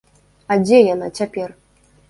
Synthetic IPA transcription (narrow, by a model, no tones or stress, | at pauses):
ad͡zʲɛjanat͡sʲapʲɛr